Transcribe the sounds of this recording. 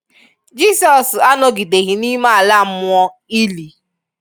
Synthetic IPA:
d͡ʒiː˦sɔ˨sa˦no˦ɡi˨de˨ɣi˨ni˦ma˦˨a˨la˦˨m̩˦ʊ˦ɔ˦ | i˦li˨

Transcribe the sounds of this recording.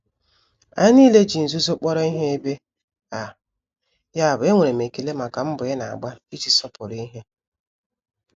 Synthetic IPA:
a˦ni˦le˦d͡ʒi˨n̩˨zu˦zo˦k͡pɔ˦ɾɔ˦i˦ɦe˦e˦be˦ | a˨ | ja˦˨bʊ˨e˦ŋʷe˨ɾe˨me˨ke˨le˦ma˨ka˨m̩˦bʊ˨e˦na˨a̰˨ɡ͡ba˦i˦t͡ʃi˨sɔ˦pʊ˨ɾi˦ɦe˦

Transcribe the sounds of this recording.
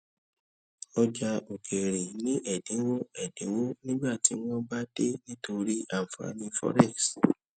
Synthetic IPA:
ɔ˧d͡ʒa˧o˨kʰe˨ɾĩ˨nĩ˨˦ʔɛ˨dĩ˨˦wo˦ɛ˨dĩ˨˦wo˦nĩ˦ɡ͡ba˦˨ti˨˦w̃ɔ̃˦ba˦de˦nĩ˦to˧ɾi˦a˨m̩˨fa̰˨˦nĩ˧fɔ̰˦ɾɛ˦˨ks

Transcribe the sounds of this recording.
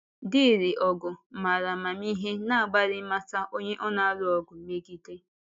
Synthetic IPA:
dɪ˦˨ɾi˨ʔɔ˨ɡʊ˨ma˨ɾa˨ma˨mi˦ɦe˦na˦a˨ɡ͡ba˦ɾɪ˦ma˦sa˦ʔo˦ɲe˦ʔɔ˦na˦a˦ɾʊ˦ɔ˨ɡʊ˨me˦ɡi˦te˦

